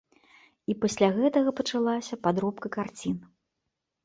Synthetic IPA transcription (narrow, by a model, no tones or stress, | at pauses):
ipɐsʲlʲaɣɛt̪ɐɣɐpɐt͡ʂalˠasʲɐpad̪ɾɔpkɐkart͡sʲin